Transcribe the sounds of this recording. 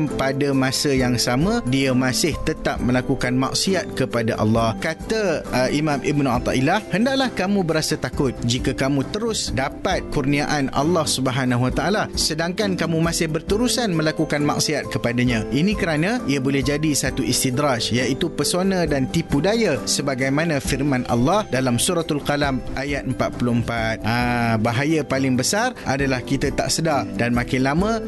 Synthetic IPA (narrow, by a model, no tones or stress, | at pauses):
padamãsajaŋsamãdiamãsɪht̪ət̪ap̚mə̃lakukanma̰ʔsiat̪̚kəpadaʔɑ̰lːɑhkat̪aʔimãmʔibnuat̪ɑ̰ʔilahhəndaʔlahkamũbəɾasat̪akʊt̪̚d͡ʒikakamũt̪əɾʊsdapat̪̚kurniaʔanʔa̰lːɑhsubəɦanãɦwat̪aʔalasədaŋkankamũmãsɪhbərt̪əɾusanmə̃lakukanma̰ksiat̪̚kəpadaɲãinĩkəɾanãiabolɛhd͡ʒadisat̪uʔist̪id̪ɾad͡ʒjait̪upəsonãdant̪ipudajasəbaɡajmãnãfirmãnʔa̰lːɑhdalamsuɾat̪alkalamʔajat̪̚əmpat̪̚pulʊəmpat̪̚abaɦajapalɪŋbəsarʔadalahkit̪at̪a̰ʔsədadanmãkɪnlamə̃